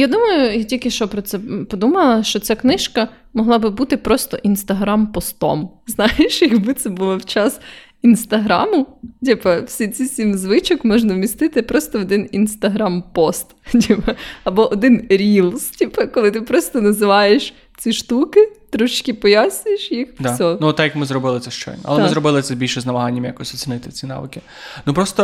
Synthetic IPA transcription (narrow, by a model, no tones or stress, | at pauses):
jad̪umɐjʊtʲilʲkɪʃt͡ʃɔpɾɔt̪sɛpɔd̪umɐlˠɐʃt͡ʃɔt͡sʲaknɪʃkɐ | mɔɦlˠɑbɪbut̪ɪpɾɔst̪ɔʔinst̪ɐɦɾampɔst̪ɔ̰mznɑjeʃjɐɡbɪt̪sɛbulˠɔwt͡ʃɑs | inst̪ɐɦɾɑ̰mʊdʲipɐwsʲit͡sʲisʲimzʋɪt͡ʃɔkmɔʒnɐwmʲist̪ɪt̪ɪpɾɔst̪ɔɔd̪ɪninst̪ɐɦɾɑmpɔst̪tʲipɐɐbɔʔɔd̪ɪnɾʲilˠstʲipɐkɔlˠɪt̪ɪpɾɔst̪ɔnɐzɪʋɑjeʃ | t͡sʲiʃt̪ukɪt̪ɾɔʃt͡ʃkʲɪpɔjasʲnʲjeʃjixd̪sʲɔnuɔt̪ːakjɐkmɪzɾɔbɪlˠɪt̪ɛʃt͡ʃɔ̰jn̰ʔɐ̰lˠɛɪzɾɔbɪlˠɪt̪sɛbʲilʲʃɛznɐmɐɦanʲːɐmja̰kɔɔsʲɔt͡sʲinɪt̪ɪt͡sʲinɑ̰ʋɪ̰kɪ | nupɾɔst̪ɔ